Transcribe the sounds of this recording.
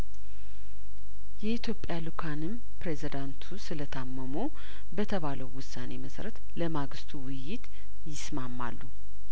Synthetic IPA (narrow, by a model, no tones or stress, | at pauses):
jɛit̪ʰjo̞pʼjalukʰanɨm | pɾe̞zid̪ant̪ʰusɨlət̪ʰamːəmu | bət̪ʰəβaləwːʊsːane̞məsɾət̪ | ləmaɡɨst̪ʰuwʊjːɪt̪ | jɪsmamːa̰lːu